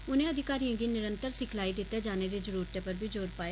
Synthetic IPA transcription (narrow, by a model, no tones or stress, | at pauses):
ʊnẽːəd̪ʱɪkaːɾijãːɡiːnɪɾənt̪əɾsɪkʰlaːid̪ɪt̪ːeːd͡ʒaːneːd̪eːzəɾuːɾt̪eːpəɾbʱiːd͡ʒoːɾpaːje